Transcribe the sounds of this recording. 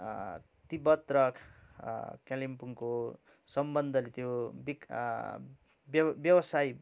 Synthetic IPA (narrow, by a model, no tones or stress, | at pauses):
t̪ibʌt̪rʌkʰ | kalimpuŋko | sʌmbʌnd̪ʱʌlet̪jobik | bbjʌwʌsaj